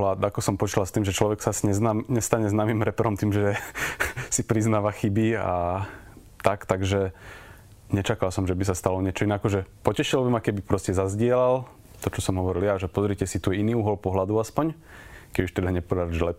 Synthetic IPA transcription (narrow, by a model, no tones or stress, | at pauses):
lad̪akɔsɔmpɔt͡ʃilalst̪iːmʒɛt͡ʃlɔʋɛksaasiɲɛamɲɛst̪aɲɛznaːmimɾɛpɛɾɔmt̪iːmʒɛ | sipɾiznaːʋaxibia | t̪akt̪aɡʒɛ | ɲɛt͡ʃakalsɔmʒɛbisast̪alɔɲɪɛt͡ʃɔinɛakɔʒɛpɔcɛʃilɔbimakɛbipɾɔscɛzazɟɪɛlal | t̪ɔt͡ʃɔsɔmɦɔʋɔɾilaʒɛpɔzɾicɛsit̪ujiniːuːɦɔlpɔɦlad̪uaspɔɲ | kɛbuʃt̪ɛd̪aɲɛpɔdaɾʒlɛp